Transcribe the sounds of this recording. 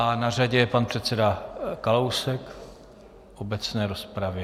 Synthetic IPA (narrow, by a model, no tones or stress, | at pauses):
anaraɟɛjɛpanpr̝̥ɛt̪t͡sɛdakalowsɛk | ʔobɛt͡snɛːɾospɾavjɛ